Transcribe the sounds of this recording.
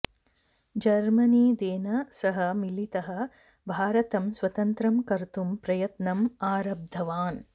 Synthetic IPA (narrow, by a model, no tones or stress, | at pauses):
d͡ʒɐɾmɐniːd̪eːnɐsɐɦɐmilit̪ɐɦɐ̆ | bʱaːɾɐt̪ɐmsʋɐt̪ɐnt̪ɾɐmkɐɾt̪umpɾɐjɐt̪nɐmaːɾɐb̚d̪ʱɐʋaːn